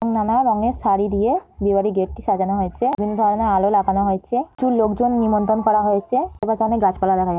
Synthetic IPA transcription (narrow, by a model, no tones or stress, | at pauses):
ŋnanaɾɔŋeʃaɾid̪ijebibaɾiɡeʈ̚ʈiʃad͡ʑanoɦojt͡ɕʰebʱinːod̪ʱɔɾonealolakanoɦojt͡ɕʰed͡ʑulokd͡ʑonːimɔnt̪ɾonkɔɾaɦojt͡ɕʰeebad͡ʑaneɡad͡ʑpalad̪ɛkʰaja